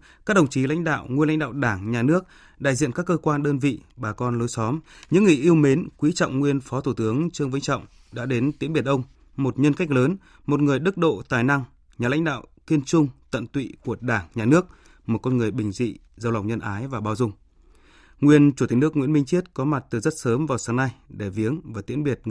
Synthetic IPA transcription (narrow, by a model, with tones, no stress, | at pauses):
kaː˦˥k̚ɗə˨˩ŋ͡mt͡ɕi˨˦la̰˧˥jŋ̟ɗa̰ː˧˨wŋi˧nla̰˧˥ŋ̟ɗa̰ː˧˨wɗaː˧˩ŋɲaː˨˩nɨ˦˥ək̚ | ɗa̰˧˨jzḭ˧˨nkaː˦˥kːəː˧kwaː˧nɗəː˧nvḭ˧˨ɓaː˨˩kɔ˧nlo˨˦jsɔ˨˦mɲɨ̰˧˥ŋːɨ˨˩ʔi˧əwme˨˦nkwi˨˦t͡ɕɔ̰˧˨wŋ͡mŋwi˧ənfɔ˨˦t̪ʰu˧˩t̪ɨ˨˦əŋt͡ɕɨ˧əŋvə˧˥ŋt͡ɕɔ̰˧˨wŋ͡m | ɗa̰ː˧˥ɗe˨˦nt̪i˨˦əŋɓi˧˨˩ənʔə˧wŋ͡m | mo˨˩t̚ɲə˧nka˦˥k̟̚ləː˨˦n | mo˨˩t̚ŋɨ˨˩əjɗɨ˦˥k̚ɗo̰˧˨t̪aː˨˩jna˧ŋ | ɲaː˨˩la̰˧˥jŋ̟ɗa̰ː˧˨wki˧ənt͡ɕʊ˧ŋ͡mt̪ə̰˧˨nt̪wḭ˧˨ku˧˩əɗaː˧˩ŋɲaː˨˩nɨ˦˥ək̚ | mo˨˩t̚kɔ˧nŋɨ˨˩əjɓï˨˩ŋ̟zḭ˧˨ | zə˧wla˨˩wŋ͡mɲə˧nʔaː˨˦jvaː˨˩ɓaː˧˩wzʊ˧ŋ͡m | ŋwi˧ənt͡ɕu˧˩i˨˩nɨ˦˥əkŋwḭ˧˥ənmï˧ŋ̟t͡ɕi˦˥ət̚kɔ˨˦ma˨˩t̚t̪ɨ˨˩zə˦˥t̚səː˨˦mvaː˨˩wsaː˨˦ŋna˧jɗe˧˩vi˨˦əŋvaː˨˩t̪ḭ˨˧˥ənɓi˨˩ət̚